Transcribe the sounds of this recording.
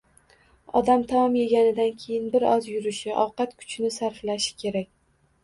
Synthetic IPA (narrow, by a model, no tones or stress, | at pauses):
ɒd̪amt̪ʰamɒmje̞ɡʲanɪd̪ankʲʰe̞jɪnbɪɾɒzjʊɾɪʃɪʔɒwqɑt̪kʰʊ̥t͡ʃʰnɪsaɾflaʃɪ̥kʲʰe̞ɾakʲ